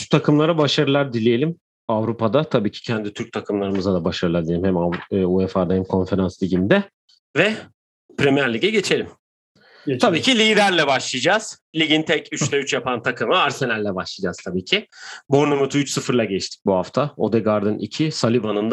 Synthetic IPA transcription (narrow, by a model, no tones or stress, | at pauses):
t̪ʰakʰɯmlˠaɾabaʃaɾɯlˠaɾd̪ilʲijelʲim | avɾupʰad̪at̪ʰabiːcʰi̥cʰɛnd̪it̪ʰyɾc̚t̪ʰakʰɯmlˠaɾɯmɯzad̪abaʃaɾɯlˠaɾd̪ilʲelʲimhɛmaːuefaɾd̪ahɛmkʰo̞nfe̞ɾanslʲiɟʲind̪ɛ | vɛ | pʰɾemijæɾlʲiɟɛɟe̞t͡ʃʰe̞lʲim | t̪ʰabiːcʰilʲiːd̪æɾlʲɛbaʃlˠijd͡ʒaːz̥lʲiɟint̪ʰɛcʰyt͡ʃlʲɛyt͡ʃjapʰant̪ʰakʰɯmɯaɾse̞nælʲːɛbaʃlˠiːd͡ʒaz̥t̪ʰabiːcʰɪbo̞ɾnomut̪ʰuyt͡ʃsɯfɯɾlˠaɟɛt͡ʃt̪ʰi̥c̚buɦaft̪ʰao̞d̪ɛɡaɾd̪ɯnʔḭcʰisalʲibanɯnd̪